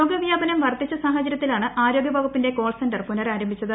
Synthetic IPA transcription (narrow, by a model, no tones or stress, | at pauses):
oːɡɐʋjaːbɐnɐmʋɐrt̪it͡ɕːɐsaːɦɐt͡ɕːɐɾjɐt̪ːilaːɳɨʔaːɾo̞ːɡjɐbʱɐːɡupːinde̞ko̞ːlsɐndɐrpunɐraːɾɐmbʱit͡ɕːɐðɨ